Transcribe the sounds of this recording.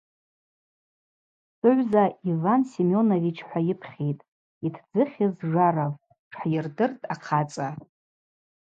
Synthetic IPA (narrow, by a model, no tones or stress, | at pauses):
sɨʕʷzaivansimo̞novit͡ʃʰħʷajɪpʰχʲejtʼ | itʰd͡zɨχʲɪzʐarav | ʈ͡ʂʰħajɪrdɨrtʼaqʰat͡sʼa